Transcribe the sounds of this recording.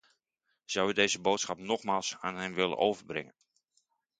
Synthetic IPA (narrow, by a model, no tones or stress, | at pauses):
z̥awədejzəboːtsχɑpnɔχmaːlˠsaːnɦɛmʋɪlə̰nʔowvərbrɪ̰ŋən